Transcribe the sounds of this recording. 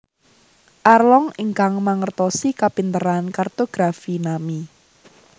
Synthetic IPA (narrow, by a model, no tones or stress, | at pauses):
ʔarlɔŋəŋkaŋmaŋərt̪ɔsikapint̪əɾankart̪oɡ̥ɾafinami